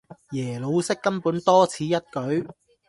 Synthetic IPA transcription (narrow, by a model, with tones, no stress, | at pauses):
jɛː˨˩lo˨˧wsɪ˥kːɐ˥mpuː˨˥nt̪ɔː˥t͡sʰiː˨˧˥jɐ˥t̚kɵ˨˥ɥ